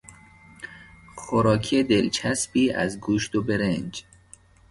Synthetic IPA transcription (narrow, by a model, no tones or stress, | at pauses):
xoɾɒːkʰed̪elt͡ʃʰæsbiːæ̰zɡuːʃt̪obeɾend͡ʒ